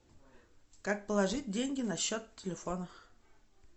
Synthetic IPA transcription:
kak̚pəlˠaʐɨt̚ʲdʲenʲɡʲɪnaɕːot̪tʲːelʲefonə

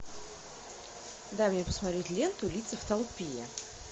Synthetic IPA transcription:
d̪amnʲepə̥smat̪ɾʲetʲlʲent̪ʊlʲit̪səft̪ɐlˠpʲijɛ

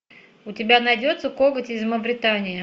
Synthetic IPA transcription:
ʊtʲɪbʲanɐjdʲo̞t̪səkoɡətʲɪzməvɾʲɪt̪anʲɪjə

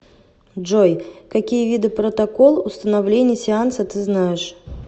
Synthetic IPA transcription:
ʐojkɐkʲijəvʲid̪ɨpɾət̪ɐkolˠʊst̪ənɐvlʲenʲɪjəsʲɪansət̪ɨznajɪʂ

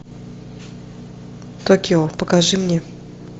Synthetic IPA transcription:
t̪okʲɪopəkɐʐɨmnʲe

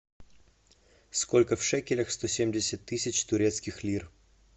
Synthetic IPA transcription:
skolʲkəfʂɛkʲɪlʲɐxst̪osʲemʲdʲɪsʲət̪ːɨsʲɪt͡ɕt̪ʊɾʲet̪skʲɪxlʲir

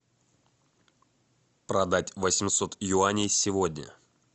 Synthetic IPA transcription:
pɾɐd̪atʲvəsʲmʲsot̪jʊanʲɪjsʲɪvodʲnʲə̰

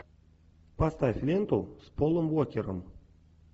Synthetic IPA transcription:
past̪afʲlʲent̪ospolˠəmwokʲeɾə̰m

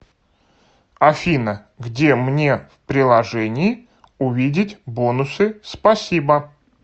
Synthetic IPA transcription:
ɐfʲinə | ɡdʲemnʲe̞fpɾʲɪlˠɐʐɛnʲɪɪ | ʊvʲidʲɪtʲbonʊsɨspɐsʲibə

